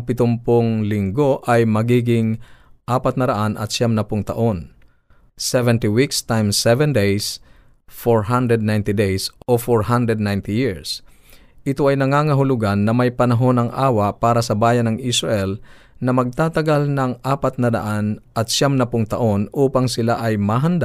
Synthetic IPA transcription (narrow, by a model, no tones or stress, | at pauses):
ŋpɪt̪ʊmpoŋlɪŋɡo̞ʔajmɐɡiːɡɪŋʔaːpɐt̪̚nɐɾɐʔanʔɐ̰t̪ʃamnɐpʊŋt̪ɐʔo̞n | sɛvɛnt̪iwikst̪ajmsɛvɛ̃nd̪ejs | foɹɦand̪ɹɛd̪najnt̪ɪd̪ejsʔʔofoɹhand̪ɹɛd̪najnt̪ɪjiɹs | ʔɪt̪o̞ʔɐjnɐŋaːŋɐɦʊlʊɡanːɐmɐjpɐnɐɦo̞nɐŋʔaːwɐpaːɾɐsɐbaːjɐnɐŋʔɪsɹɐʔɛl | nɐmɐɡ̚t̪aːt̪ɐɡalnɐŋʔaːpɐt̪̚nɐdɐ̰ʔanʔɐt̪ʃamnɐpʊŋt̪ɐʔo̞nʔuːpaŋsɪlaʔɐjmaɦɐnd̪aʔ